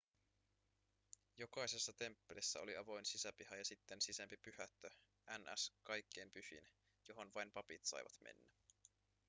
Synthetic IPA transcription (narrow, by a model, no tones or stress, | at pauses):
jo̞kɑjse̞sːɑt̪e̞mpːelisːæo̞liɑʋo̞jnsisæpihɑjɑsit̪ːensisæmpipyhæt̪ːø | ʔænʔæ̰skɑjkʰːe̞jmpyhḭn | jo̞ɦo̞nʋɑjnpɑpit̪sɑ̰jʋɑ̰t̪mʔḛnːæ